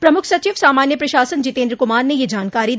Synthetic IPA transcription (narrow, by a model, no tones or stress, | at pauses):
pɾɐmʊkʰsɐt͡ʃiːʋsaːmaːnjəpɾɐʃaːsənd͡ʒɪt̪ẽːnd̪ɾəkʊmaːɾnejed͡ʒaːnkaːɾid̪